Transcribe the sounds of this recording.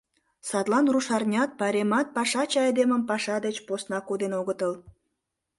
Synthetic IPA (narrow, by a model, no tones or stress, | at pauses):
sɑt̪lɑnruʃɑrnʲɑt̪̚pɑɾʲemɑt̪̚pɑʃɑt͡ɕɑɑjd̪eməmpɑʃɑd̪et͡ɕposnɑkod̪enoɣət̪əl